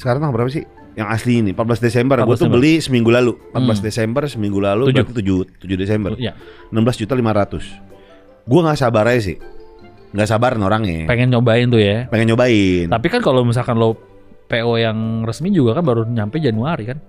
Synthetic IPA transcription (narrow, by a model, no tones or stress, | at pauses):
sə̥kaɾaŋt̪abəɾapasɪ̰h | jaŋasliːnimpat̪̚blasdesɛmbərɡuat̪ubəlisəmiŋɡulalumpat̚blasdesɛmbərsəmiŋɡulaluubd͡ʒt̪it̪ud͡ʒut̪ːud͡ʒudesɛmbərjaənamblasd͡ʒut̪alimaɾat̪ʊs | ɡuaŋɡasabaɾais̬ɪ̰h | ŋɡaʔsabaɾnoɾaŋjɛ̰peŋɛnt͡ʃobaɪnt̪ʊjapeŋɛnt͡ʃobaɪnt̪apikankalomis̬alkanlo | peojaŋrəsmid͡ʒuɡakanbaɾuɲampad͡ʒanuaɾikan